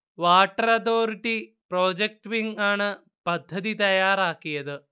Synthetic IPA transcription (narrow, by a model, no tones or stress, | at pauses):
ʋaːʈɐɾɐt̪oːɾiʈipɾoːd͡ʑek̚ʈʋiŋɡaːɳɨ | pɐd̪ʱːɐd̪it̪ɐjaːɾaːkːijɐðɨ